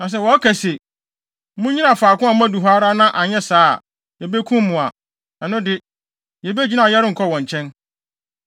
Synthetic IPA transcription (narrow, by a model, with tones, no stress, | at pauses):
nã˨s̬ɛ˦˨wɔ˨˦kʰæ˨se˨ | mʊ̃˦ɲĩ˦ã˨faː˨kʊ̃˦a˨m˦ã˦du˨ɦa˦ɾa˦nã˦ʔa˨ɲɛ̃˦sa̰ː˦˨ | jɛ˨be˦kʰũ˦mː˦ʊ̃˨a˨ | nã˨nʊ̃˦dɪ˦ | jɛ˨be˦d͡ʑi˦nã˨jɛ˦ɾɪ˦ŋ̩˨kʰɔ˦wɔ̃˨ɲ˨t͡ɕʰɛ̃˦n